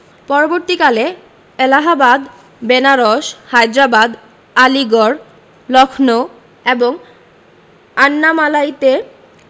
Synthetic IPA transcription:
pɔɾoboɾt̪ikale | elaɦabad̪ | benaɾoʃhajd̪ɾabad̪ | aliɡoɾ | lɔkʰno | eboŋ | anːamalajt̪e

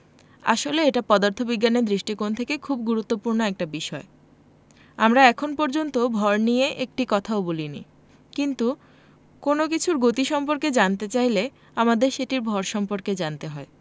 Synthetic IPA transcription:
a̰ʃoleeʈapɔd̪aɾt̪ʰobiɡːaned̪ɾiʃʈikont̪ʰekekʰubɡuɾut̪ːopuɾnoɛk̚ʈabiʃɔe | amɾaɛkʰonpɔɾd͡ʑont̪obʱɔɾnieʔek̚ʈikɔt̪ʰaobolinḭ | kint̪u | konok̬it͡ɕʰuɾɡot̪iʃɔmpoɾked͡ʑant̪et͡ɕajle | amad̪eɾʃeʈiɾbʱɔɾʃɔmpoɾked͡ʑant̪eɦɔe

